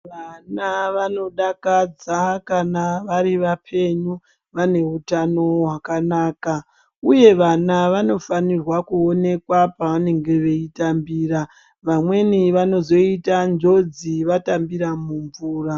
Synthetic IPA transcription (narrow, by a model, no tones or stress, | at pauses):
ʋanaʋano̞ɗakad͡zakanaʋaɾiʋapʰe̞ɲu | ʋane̞ɦutano̞ɦwakanaːka | uje̞ʋanaʋano̞fanirwakuo̞ne̞kwapaʋane̞ŋɡe̞ʋe̞itambiːra | ʋamwe̞niʋano̞zo̞itand͡ʒo̞d͡ziʋatambiɾamuɱvuːra